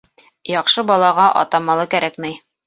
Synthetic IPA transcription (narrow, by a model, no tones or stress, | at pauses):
jɒqʃɤbɒlˠɑʁɑʔɒ̰t̪ɑmɑlˠɤkæɾækmɘj